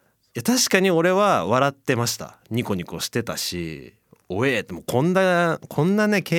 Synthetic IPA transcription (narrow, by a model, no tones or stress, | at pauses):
jat̪aɕi̥kaɲ̟io̞ɾe̞βaβaɾat̪ːe̞maɕi̥t̪a̰ɲ̟iko̞ɲ̟iko̞ɕi̥t̪e̞t̪a̰ɕḭ | o̞eːt̪ːemokõ̞nːakʰõ̞nːane̞ke